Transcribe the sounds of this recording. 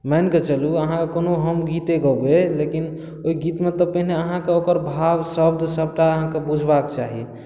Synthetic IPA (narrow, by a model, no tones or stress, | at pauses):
mɛnket͡ʃəluəɦãkekonoɦəmɡit̪eɡəbelekin | oiɡit̪met̪ɔpəɦineəɦãkeokəɾbʱabsəbd̪ʱsəb̚ʈaəɦãkebud͡ʒʱbakt͡ʃaɦḭ